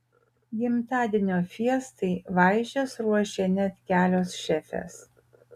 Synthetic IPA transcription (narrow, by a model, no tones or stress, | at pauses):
ɡʲɪmt̪ɑːd̪ʲɪnʲoːfʲiɛst̪ɐɪʋɐɪʒʲɛsɾuɔʃʲenʲɛt̪ʲkʲæːlʲoːsʃʲɛfʲɛ̰s